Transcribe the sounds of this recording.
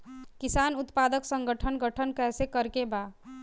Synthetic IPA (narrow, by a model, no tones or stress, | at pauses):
kisaːnʊt̪pad̪əksəŋɡəʈʰənɡəʈʰənkɛːsekəɾkeba